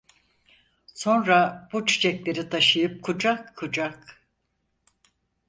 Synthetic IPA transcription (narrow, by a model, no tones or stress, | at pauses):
so̞nɾab̥ut͡ʃʰy̥t͡ʃʰɛclʲe̞ɾit̪ʰaʃɯjɯp̚kʰud͡ʒakʰːud͡ʒak